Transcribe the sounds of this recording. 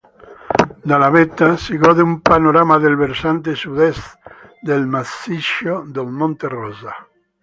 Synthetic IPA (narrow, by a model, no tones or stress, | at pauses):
d̪alaβet̪asiɣoðeumpanoɾamaðelβeɾsant̪esuðes | d̪elmasiʃod̪elmõnt̪eroza